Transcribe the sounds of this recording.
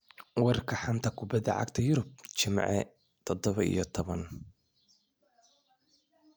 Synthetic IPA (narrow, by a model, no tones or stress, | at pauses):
wɑrkʰɐħant̪ʰɐkʰʊbɐd̪ɐ̰ʕa̰ɡt̪ʰɐjʊɾʊb̚t͡ʃɪmʕɛ̰ | t̪ʰɔd̪ɔβɐḭjɔt̪ʰɔβɐn